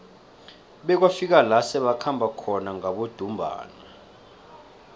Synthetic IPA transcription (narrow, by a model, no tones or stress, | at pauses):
ɓɛk̬wafik̬alasɛɓakʰambʱakʰɔnaŋaɓod̥ʱumbʱa̰ːnɛ